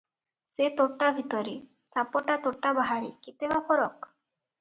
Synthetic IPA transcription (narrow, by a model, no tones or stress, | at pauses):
set̪oʈabʱit̪ɔɾi | sapɔʈat̪oʈabaɦaɾḭkit̪ebapʰɔɾɔk